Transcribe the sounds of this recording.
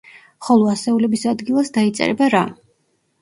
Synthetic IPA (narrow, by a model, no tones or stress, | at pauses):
χɔlˠɔasɛulɛbisad̪ɡilˠasd̪ait̪sʼɛ̰ɾɛ̰baɾa